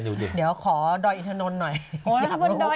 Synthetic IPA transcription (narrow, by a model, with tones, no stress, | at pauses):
nuː˨˧˩i˧˨˩di˩˦əwkʰɔː˩˦dɔː˧˩ʔi˧t̪ʰaː˧no˧t̪̚nɔ˨˩jo˨˦˥bo˧dɔ˧